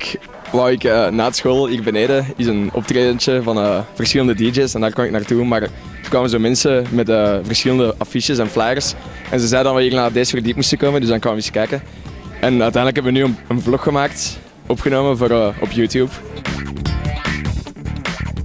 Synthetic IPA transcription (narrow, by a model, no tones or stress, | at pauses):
k | ʋawɪkənaːdəsxoːlˠɦiːrbəneːdəɪzənɔ̰p̚treːdənt͡ʃəvɑnəːv̥ərsxɪlˠəndədid͡ʒeːsɛndaːrkwɑmɪknaːrtumaːr | əkʋaːməzoːmɛnsəmɛtəvərsxɪləndəɑfiʃjəsɛnflajərs | ɛ̰nzəzɛjədɑnʋɛliːrnaːdeːsərdipmustəkoːməndʏzdɑnkanʋəɪsə̥kɛjkən | ɛnœɥtɛːndələkɦɛpəʋənyːənənvlɔxxəmaːk̚t | ɔpxənoːməvoːɾɔ̰pjuːtjuːp